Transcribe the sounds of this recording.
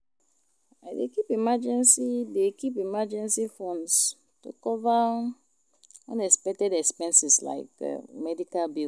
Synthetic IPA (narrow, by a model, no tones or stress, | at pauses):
adekipimad͡ʒɛ̃nsidekipimad͡ʒɛ̃nsifɔ̃ns | tṵkɔva | ã̰nɛkspɛk̚tɛdɛkspɛ̃nsisla̰ɪkɛ̰mɛdikalbi